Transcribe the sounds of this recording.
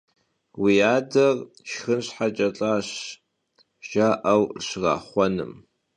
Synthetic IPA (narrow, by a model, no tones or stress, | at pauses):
wiaːdɐr | ʃxɨnɕħat͡ʃʼɐt͡ɬʼaːɕ | ʒ̥aːʔɐwrɕra̰ːχʷɔnɨ̰m